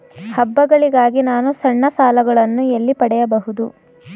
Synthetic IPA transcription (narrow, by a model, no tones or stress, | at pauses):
hɐbːɐɡɐɭiɡaːɡinaːnusɐɳːɐsaːlɐɡɐɭɐnːuelːipɐɽɛjɐbɐɦud̪u